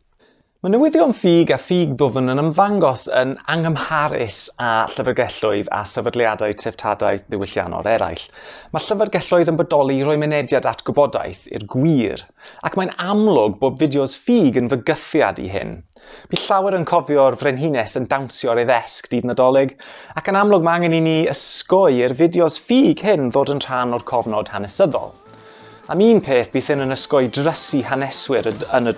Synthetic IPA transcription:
manəwɪðɪɔnfiːɡafiːɡðʊvənənəmvaŋɡɔsə̰naŋəmhaɾɪ̰saɬəvərɡɛɬʊɨða̰səvədlˠjadaɨtʰɛv̥tʰada̰ɨðɪwɪɬja̰nɔ̰ɾɛɾa̰jɬmaɬəvərɡɛɬʊɨðənbədɔlˠiɾʊɨmɛnɛdjadatʰɡ̥ʊbɔda̰jθɪ̰rɡwiːɾ | akʰmajnamlˠʊɡboːbvɪdjɔz̥fiːɡənvəɡəθja̰dḭɦɪ̰n | b̥iːɬawɛɾənkʰɔvjɔrvrɛnɦinɛsəndawnsjɔɾeðɛskd̥iːdnədɔlˠɪɡakənamlˠʊɡ̚maŋəniniːəskɔɨɪrvɪdjɔzfiːɡ̥hɪnðoːdənr̥anɔrkʰɔvnɔd̥hanɛsəðɔ̰lˠ | amiːnpʰeːθb̥iːθɪnənəskɔɨdrəsihanɛswɪɾənə

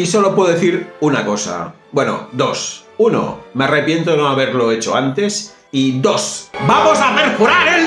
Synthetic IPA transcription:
iso̞lo̞pweðeθiɾunako̞sa̰ | bwe̞no̞̰d̪o̞s | uno̰me̞are̞pje̞nt̪onoaβeɾlo̞et͡ʃo̞̰ant̪e̞s | iðo̞sbamo̞sapeɾfuɾaɾel

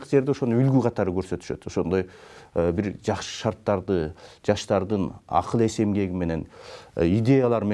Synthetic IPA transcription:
qd͡ʒe̞ɾd̪eoʃo̞nuylɡyqʰɑt̪ɑɾɯkø̞ɾsø̞t̪y̥ʃø̞̰t̪o̞ʃo̞nd̪o̞jbiɾd͡ʒɑqʃɯ̥ʃɑɾt̪ːɑɾd̪ɯd͡ʒɑʃt̪ɑɾd̪ɯnɑ̰qʰɯlˠe̞se̞mɡe̞ɡʲime̞ne̞nid̪ʲe̞jalˠɑɾme

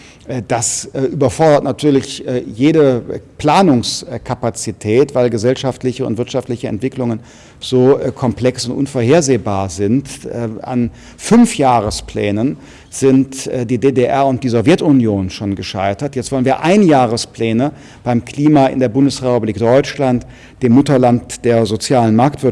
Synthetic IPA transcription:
ʔd̥asʔyːbɐfɔɐdɐtnatʰyːɐlɪçjeːdəpl̥aːnʊŋskʰapat͡sitʰɛːtv̥aɪlɡəzɛlʃaftlɪçəʊ̰ntv̥ɪɐtʃaftlɪçəɛ̰ntv̥ɪklʊŋən | z̥oːkʰɔmpl̥ɛksʊntʔʊ̰nfoːɐhɦeːɐzeːbaːɐzɪntɛa̰n | fʏnfjaːʁəsplɛːnən | z̥ɪntːdiːdeːdeʔɛɐʊnt̚d̥iːzovjɛtʊnjoːnʃoːnɡəʃa̰ɪtɐtjɛt͡stv̥ɔlənviːɐʔaɪnjaːʁ̞əsplɛːnə | b̥aɪmkl̥iːmaʔɪ̰ndeːɐbʊndəsʁɛpubliːkd̥ɔʏt͡ʃlant | d̥eːmːʊtɐlantd̥eːɐzot͡sjaːlənmaɐktv̥ɪɐ

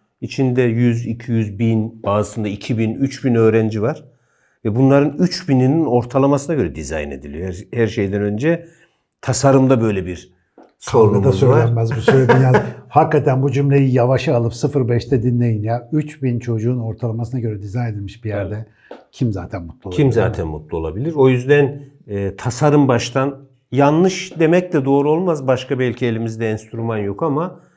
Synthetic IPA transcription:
it͡ʃʰind̪ɛjyzicʰijyzbinbaːzɯsɯnd̪aicʰibinyt͡ʃbinø̞ːɾænd͡ʒivaɾ̥ | vɛbunlˠaɾɯnyt͡ʃbininino̞ɾt̪ʰalˠamasɯnaɡɟø̞ɾɛd̪iza̰jne̞̰d̪ilijohæɾʃe̞jd̪ænø̞nd͡ʒɛ | t̪ʰasaɾɯmd̪abø̞jlʲɛbiɾ | soɾuɡad̪auzøjllʲænmæzbusølʲed̪inazhakːat̪ʰænbud͡ʒymlʲe̞jijavaʃɯalˠɯpsɯfɯɾbɛʃt̪ʰɛd̪inlʲe̞jinjayt͡ʃbint͡ʃʰo̞d͡ʒuːno̞ɾt̪ʰalˠamasɯnaɟø̞ɾɛd̪izaned̪ilʲmiʃbijæɾd̪ɛ | cʰimzaːt̪ʰænmut̪lˠuimza̰ːt̪ʰænmṵt̪lˠuo̞lˠa̰bilʲiɾo̞jyzd̪ænː | t̪ʰasaɾɯmbaʃt̪ʰan | janːɯʃd̪e̞mɛc̚d̪ɛd̪o̞ːɾuo̞lˠmazbaʃkabɛlʲcʰielʲimizd̪ɛɛnst̪yɾymanjo̞kama

